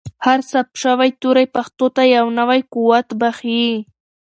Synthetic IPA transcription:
haɾsapʃawajt̪uɾajpaxt̪ot̪ajawnawajquwat̪baχi

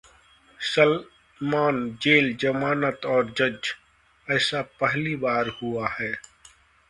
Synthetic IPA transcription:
səl | maːnd͡ʒeːld͡ʒəmaːnət̪ɔːɾd͡ʒəd͡ʒ | ɛːsapəɦlibaːɾhʊahɛː

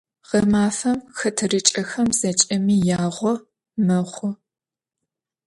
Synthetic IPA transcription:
ʁɐmaːfɐmxɐtʰɨrɨt͡ʃʼɐxɐmz̥ɐt͡ʃʼɐmiːjaːʁʷɔ | mɐχʷɔ

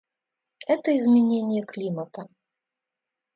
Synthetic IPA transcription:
ɛt̪əizmʲenʲenʲɪjɛklʲimət̪ɐ

